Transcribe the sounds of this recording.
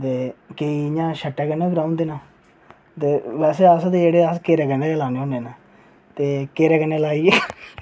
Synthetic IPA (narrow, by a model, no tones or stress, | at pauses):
t̪eːkeiːjãːʃəʈːɛːkəneːɡɾaːʊ̃nd̪eːnaː | t̪eːʋɛːseːaːst̪ed͡ʒeːɽeːaːskeːɾɛːkəɳɖeːlaːneːõːneːnaː | t̪eːkeːɾɛːkəneːlaːiː